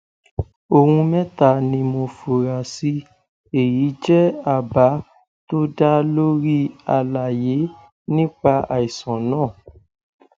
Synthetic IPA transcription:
o˨hũ˧mɛ̃˦ta˦˨nĩ˧mo˧fo˨ɾa˨si˧˦ | e˨ji˨˦d͡ʒɛ˦a˨ba˨˦ | to˦da˦lo˦ɾi˦a˧la˨je˨˦ | nĩ˦k͡pa˧a˨i˨sɔ̃˨nãː˦˨

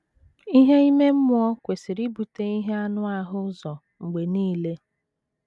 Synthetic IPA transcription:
i˦ɦe˦i˦me˦m̩˦mʊ˦ɔ˦kʷe˨sɪ˨ɾi˦bu˨te˦i˦ɦe˦a˦nʊ˦a˦ɦʊ˦zɔ˨ | ŋ͡m̩˨ɡ͡be˨niː˦le˦

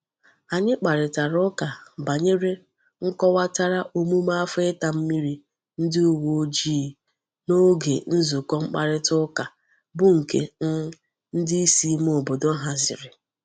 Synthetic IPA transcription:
a˨ɲɪ˦k͡pa˨ɾɪ˨ta˨ɾʊ˦ka˨ba˨ɲe˦ɾe˦ | ŋ̩˦kɔ˦wa˦ta˦ɾa˦ʔo˦mu˦ma˦a˦fʊ˦ɪ˦ta˨m̩˦mi˦ɾi˨ | n̩˦dɪ˦u˦wo˨˦d͡ʒiː˦˨ | no˦ɡḛ˨n̩˦zu˨kɔ˦ŋ͡m̩˦k͡pa̰˨ɾɪ˦tʊ˦ka˨ | bʊ˦ŋ̩˨kḛ˨n̩˦ | n̩˦dɪ˦i˦si˦m˦o˨bo˨do˦ɦa˨zɪ̰˨ɾɪ˨

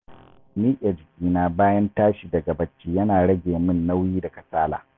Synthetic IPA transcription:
miː˦ʔʲʼɐ˨d͡ʒɪ˨kʲiː˦naː˦baː˦jɐ˦ntaː˦ʃiː˨dɐ˨ɡa˨bɐ˦t͡ʃːiː˦jɐ˦naː˨ɽɐ˦ɡʲeː˨mɪ˦nːa˦wjiː˦dɐ˨kɐ˨saː˦la̰ː˨

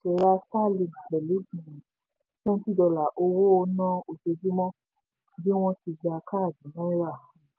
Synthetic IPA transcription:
ɛ˨ɾa˧sa˦˨li˨na˨bɛ˨li˨˦bĩ˨ĩ˨ | nõ˦ti˦˨dɔ˧la˨ʔo˧wo˦o˧nã˦o˨d͡ʒe˧d͡ʒi˦mɔ̃˦ | bi˦w̃ɔ̃˦ti˧d͡ʒa˧ka˦˨dĩ˨mɔ̃˦i˦ɾa˦˨

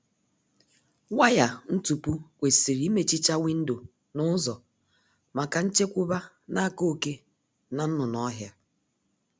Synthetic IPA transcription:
wa˦ja˨n̩˦tu˨pu˦kʷe˨si˨ɾi˦me˨t͡ʃi˦t͡ʃa˦wi˦n̩˦do˨ | nʊ˦zɔ˨ | ma˨ka˨n̩˦t͡ʃe˦kʷʊ˦ba˦ | na˦˨ko˦ke˦ | na˨n̩˦nʊ˨nɔ˦ɦja˦

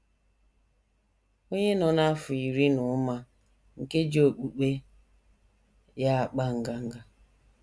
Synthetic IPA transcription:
o˦ɲe˦nɔ˨na˦fʊ˨i˨ɾi˦nʊ˨˦ma˦ | ŋ̩˨ke˦d͡ʒo˨k͡pu˨k͡pe˦ | ja˦a˨k͡pa˦ŋ̩˨ɡa˨ŋ̩˦ɡa˦

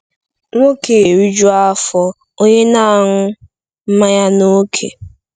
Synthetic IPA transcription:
ŋo˦ke˨ɾi˦d͡ʒu˦a˦fɔ˦ | o˦ɲe˦na˦˨ŋʊ˦ | m̩˦ma˦ja˦no˦kʰḛ˨

